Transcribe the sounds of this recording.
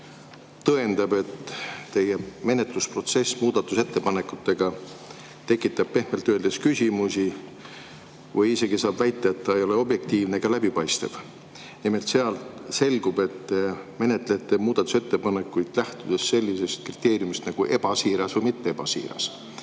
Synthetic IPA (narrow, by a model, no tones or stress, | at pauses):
t̪ɤe̞nd̪̥ɑb̥e̞t̪ːe̞jeme̞ne̞t̪luspro̞t̪se̞sːmuːd̪ɑt̪ːˑuse̞t̪ːe̞pɑne̞kut̪ːe̞ɡ̥ɑ | t̪e̞kːˑit̪ːˑɑb̥̚pe̞hmelt̪ːˑøːld̪̥eskysʲimusi | vɯjise̞ɡisɑːb̥væjt̪ːˑeet̪ːɑejo̞le̞o̞bje̞k̚t̪iːvne̞ɡ̥ɑlæb̥ipɑjst̪ev̥ | nimelt̪se̞ɑlt̪se̞lɡ̥ub̥e̞t̪ːme̞ne̞t̪ːˑle̞t̪ːˑemuːd̪̥ɑt̪ːˑu̥se̞t̪ːe̞pɑne̞kːˑujd̪̥læht̪ud̪̥esːe̞lʲːise̞st̪̚krit̪ːˑe̞ːɾijumist̪nɑɡ̥uʔe̞b̥ɑsiːɾɑsvɤjmit̪ːe̞eb̥ɑsḭːɾɑ̰s